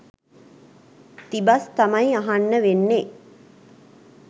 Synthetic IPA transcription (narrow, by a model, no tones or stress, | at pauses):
t̪ibast̪amajaɦanːəʋenːe